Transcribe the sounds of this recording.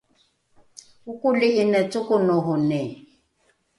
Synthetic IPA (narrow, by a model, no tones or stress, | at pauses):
ʊkʊlɪʔɪnɛtʊkʊnɔɦɔnɛ